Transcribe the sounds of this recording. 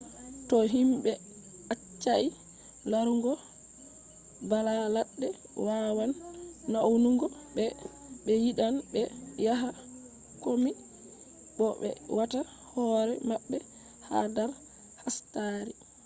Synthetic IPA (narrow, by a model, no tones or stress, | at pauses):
tɔɦimbɛ | at͡ʃːaʔi | laɾuŋɡɔ | balalaɗːɛ | wawanːawnuŋɡɔ | ɓɛ | ɓɛjiɗanbɛjaɦa | komi | ɓɔɓɛ̰wata | hɔɾɛmaɓːɛ | ha̰daɾ | hastaɾi